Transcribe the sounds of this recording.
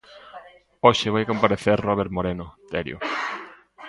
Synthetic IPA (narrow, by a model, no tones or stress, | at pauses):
oʃɪβ̞ajkompaɾeθeɾroβ̞eɾmoɾenot̪eɾjo̰